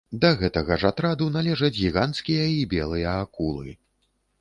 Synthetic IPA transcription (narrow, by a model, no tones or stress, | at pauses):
d̪ɐɣɛt̪ɐɣɐʐat̪ɾad̪unalʲɛʐɐd͡zʲɣʲiɣant̪skʲijɐibʲɛlˠɨjɐːkulˠɨ̰